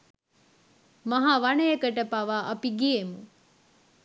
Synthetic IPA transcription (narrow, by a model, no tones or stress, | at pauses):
mɐɦaʋanəjekəʈəpaʋaʔɐpiɡiemu